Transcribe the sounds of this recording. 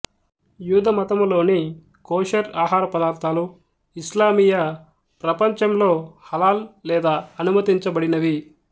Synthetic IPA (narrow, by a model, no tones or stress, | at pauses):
juːd̪ʱɐmɐt̪ɐmlo̞ːni | koːʃɐɾaːɦaːɾɐpɐd̪aːɾt̪ʰaːlu | islaːmiːjɐ | pɾɐpɐɲt͡ʃɐmlo̞ːhɐlaːllɛːd̪aːɐnumɐt̪iɲt͡ʃɐbɐɽinɐʋi